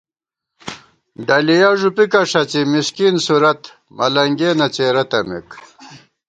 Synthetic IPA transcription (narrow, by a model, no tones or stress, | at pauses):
ɖɐlijaʐupikɐʂɐt͡simiskinsuɾɐt̪ | mɐ̰lɐŋɡenɐt͡seːɾɐt̪ɐmḛk